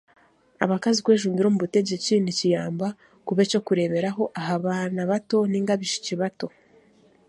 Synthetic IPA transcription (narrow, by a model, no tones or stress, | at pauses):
aβakazikwe̞ːʒuːmbiɾo̞muβute̞ɟecinicijaːmba | kuβe̞t͡ʃo̞kuɾe̞βe̞ɾaɦo̞ʔaɦaβaːnaβato̞niːŋɡaβiʃi̥ciβato̞